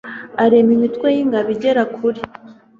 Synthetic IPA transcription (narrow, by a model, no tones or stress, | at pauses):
aɾemimitkwejiŋɡaβiɟe̞ɾakʰuɾi